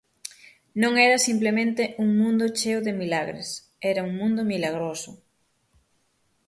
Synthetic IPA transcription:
nõŋɛɾɐsimplemẽnt̪eʔuŋmũnd̪ʊt͡ʃeoðemilaɣɾḛs | ɛɾauŋmũnd̪ʊmilaɣ̞ɾosʊ

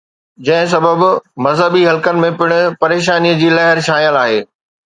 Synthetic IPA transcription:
d͡ʑɐ̃ɦɪ̃s̬ɐbəbmɐzɦəbiɦɐlkənɪ̆mẽpɪɽ̃ʊ̆pɐɾeːʃ̬aːniːəd͡ʑiːlɐɦɪɾʃaːjəlaːɦeː

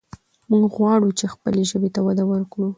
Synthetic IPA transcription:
muŋɡɣwɑɽut͡ʃexpəleʒəbet̪awad̪awəɾkɽu

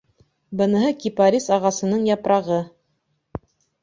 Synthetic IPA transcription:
bɤ̆nɤ̆ɦɤkʲipaɾʲisɑʁɑsɤ̆nɤɴjɑpɾɑʁɤ

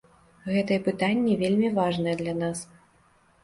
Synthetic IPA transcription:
ɣɛt̪ɐjɛpɨt̪anʲːɛvʲelʲmʲivaʐnɐjɛd̪lʲan̪as

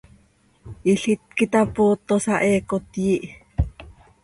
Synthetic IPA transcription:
ʔiɬit̪̚kit̪apoːt̪ːosɑʔeːkot̪jiʔ

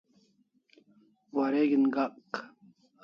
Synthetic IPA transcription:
wɐɾeɡinɡaq

